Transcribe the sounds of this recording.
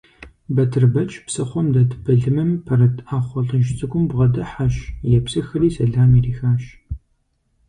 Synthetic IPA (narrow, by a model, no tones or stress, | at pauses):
bɐtʰɨrbɐt͡ʃʼpsɐχʷɔmdɐtʰbɐɮɨmɨmpʰɐrɐtʰʼaːχʷɔɮɨnʒt͡sʼɨɡʷʊmbʁɐdɐħaʃjɛpsɨxɨriːsɐɮaːmiːriːxaːɕ